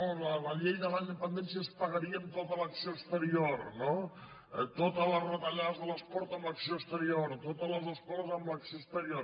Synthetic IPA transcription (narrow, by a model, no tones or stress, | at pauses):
olələʎejðəlaɲd̪əpənd̪ensiəspəɣəɾiənt̪ot̪ələksioəst̪əɾioɾno | t̪ot̪ələzrət̪əʎaðzðələspɔɾt̪əmbləksiost̪əɾioɾt̪ot̪ələzəspɔɾzəmbləksoəst̪əɾioɾ